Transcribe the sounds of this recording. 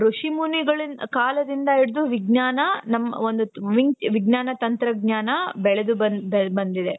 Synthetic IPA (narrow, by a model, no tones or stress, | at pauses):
ɾuʂimuniɡɐɭinkaːlɐd̪ind̪ɐiɽd̪uʋiɡnaːnɐnɐmːɐond̪uʋiŋʋiɡnaːnɐt̪ɐnt̪ɾɐɡɲaːnɐbɛɭed̪ubɐnbbɐnd̪id̪e